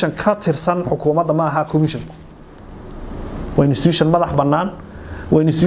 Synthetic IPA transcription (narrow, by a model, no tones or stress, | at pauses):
ɐŋkʰɐt̪ʰɪrsɐnħʊkʰʊːmɐd̪ɐmɐːɦɐkʰɔmɪʃɐŋkʰʊ̥ | wɑnɪst̪iːʃɐnmɐðɑħbɐnːaːnwʔɑnɪst̪